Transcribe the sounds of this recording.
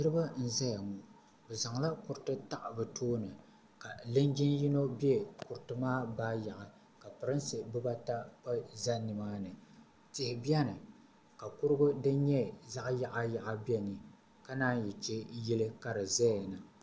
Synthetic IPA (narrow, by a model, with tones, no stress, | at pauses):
nɨ˦ɾɨ˦ba˦n̩˦za˦ja˨mu˨ | bɛ˨za˨ŋla˦kʊ˨ɾtɨ˦ta˦ʔbɨ˨tʰoː˦nɨ˨ | ka˨lɨ˦ŋd͡ʒɪ˦nji˦no˦bɛ˦kʊ˨ɾtɨ˦maː˦baː˦ja˨ʔa˨ | ka˨pɨ˨ɾɨ˦nsɨ˨bɨ˦ba˦ta˦pa˦za˦nːɨ˨maː˦nɨ˨ | tɪ˨hɪ˨bi˦ɛ˦nɨ˨ | ka˨kʊ˦ɾɨ˦ɡʊ˦dɨ˦ɲɛ˦za˦ʔja˨ʔa˦ja˨ʔa˦bi˦ɛ˦nɨ˨ | ka˦naː˦njɛ˨t͡ʃɛ˦ji˦lɨ˦ka˦ɾɨ˨za˦a˨nɨ˨